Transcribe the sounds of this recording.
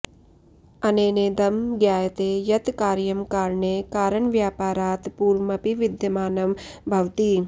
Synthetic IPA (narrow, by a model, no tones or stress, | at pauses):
ɐneːneːd̪ɐmɡjaːjɐt̪eːjɐt̪kaːɾjɐmkaːɾɳeːkaːɾɐɳʋjaːpaːɾaːt̪puːɾmɐpiʋid̪jɐmaːnɐmbʱɐʋt̪i